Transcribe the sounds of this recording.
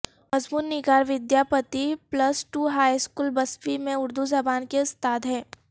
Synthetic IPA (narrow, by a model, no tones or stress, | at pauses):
mɐzbuːnnɪɡaːɾʋɪd̪jaːpət̪iplɐsʈuːɦaːjskuːlbɐsʋimẽʊɾd̪uzɐbaːnkest̪aːt̪ɦɛ̃ː